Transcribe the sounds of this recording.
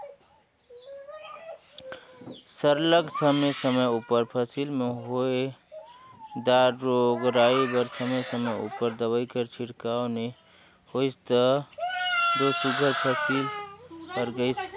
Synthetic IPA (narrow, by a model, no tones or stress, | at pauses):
səɾləɡsəmesəməjupəɾpʰəsilmeɦoe | d̪aɾɾoɡɾaibəɾsəməsəməjṵpəɾd̪əβəɪkəɾt͡ʃʰiɽkaone | hoɪst̪ə | d̪osuɡʱəɾpʰəsilkəɾɡəɪt͡ʃʰ